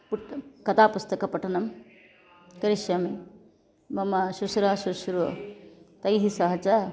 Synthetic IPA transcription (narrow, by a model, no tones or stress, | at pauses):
puʈkɐt̪aːpust̪ɐkɐpɐʈɐnɐm | kɐɾiʃjɐmi | mɐmɐʃusuɾaːʃuʃuɾuʋɐ̰t̪ɐjɦisɐɦɐt͡ʃa